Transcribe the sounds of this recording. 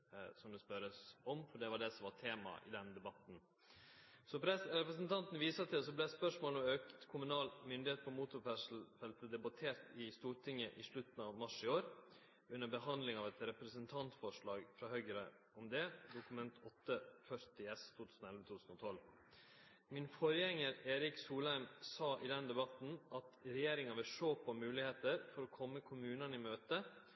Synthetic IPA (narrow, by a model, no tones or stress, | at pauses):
sɔmd̪ɛspœɾəsɔmfɔɖɛʋɑɖɛsɔmʋɑʈʰeːmɑ̰ʔɪ̰d̪ɛnd̪ɛbɑt̪n̩ | sɔpɾɛɾɛpɾɛs̬nt̪ʰɑnt̪n̩ʋiːsɑt̪ʰɪs̬ɔblɛspœʂmoːlɔmøːkt̪kʰʊmʉnɑːlmʏnd̪ɪheːt̪̚pʰɔmuːt̪ʊɾfæʂl̩fɛlt̪əd̪ɛbɑt̪ʰeːɾt̪ɪst̪uːɾʈɪŋːəʔɪʂlɭʉt̪n̩ɑʋmɑʂɪoːɾ | ʉnːəbəhɑnd̪lɪŋɑʋɛt̪ɾɛpɾɛsənt̪ʰɑnt̪fɔʂɭɑːɡfɾɑhœʏɡɾə | ɔmd̪ɛd̪ʊkʉmɛnt̪ɔt̪ːəfœɾt̪ɪɛst̪ʰuːt̪ʰʉːsn̩ɛlʋət̪ʰuːʉsnɔt̪ʰɔl | mɪnfɔɾjɛŋːəɾeːɾɪksuːlæɾmsɑːʔɪd̪ɛnd̪ɛbɑt̪n̩ʔɑt̪ɾɛjeːɾɪŋɑʋɪlʂoːpʰɔmʉːlɪheːt̪əɾfɔɾɔkʰɔmːəkʰʊmʉːnɑnɪmøːt̪ə